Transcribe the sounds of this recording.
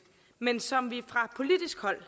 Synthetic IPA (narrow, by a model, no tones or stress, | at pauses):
mensɒ̽mʋifʁɑ̈pʰo̝lid̥isɡ̥hɒ̽l̰